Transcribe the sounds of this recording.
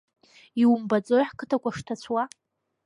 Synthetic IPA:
iwmbad͡zʼojħkʰɨtʰakʷʼaʂtʰat͡sʷʰwa

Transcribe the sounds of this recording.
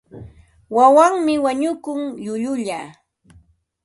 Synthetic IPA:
wawaŋmɪwaɲʊkʊŋʎʊʎʊʎaː

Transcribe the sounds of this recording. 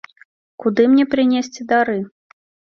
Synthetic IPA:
kud̪ɨmnʲɛpɾɨnʲesʲt͡sʲid̪aɾɨ

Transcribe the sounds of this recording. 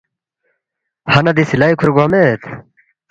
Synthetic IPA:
hɐnɐd̪isilaːikʰuɾɡwamet̪

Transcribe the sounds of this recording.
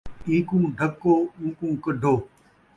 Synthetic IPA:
ĩːkũːɖʱəkːoːũːkũːkəɖʱoː

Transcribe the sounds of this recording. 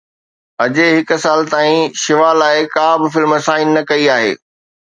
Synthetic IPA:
ɐd͡ʑeɦɪksaːlt̪aːĩʃɪʋaːlaːɪkãːbɪfɪlmɐsaːinːɐkɐiaːɦḛː

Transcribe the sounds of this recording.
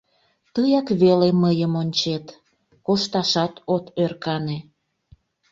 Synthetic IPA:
t̪əjɑkβeleməjəmonʲt͡ɕet̪ | koʃt̪ɑʃɑt̪ot̪ørkɑne

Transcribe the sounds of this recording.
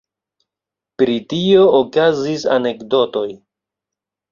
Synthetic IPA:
pɾitioːkazisa̰ne̞kdo̞to̞j

